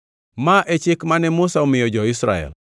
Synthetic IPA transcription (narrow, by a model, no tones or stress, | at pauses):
maʔɛt͡ʃɪkmanɛmʊsaomɪjɔd͡ʒɔɪsɾa̰ɛ̰l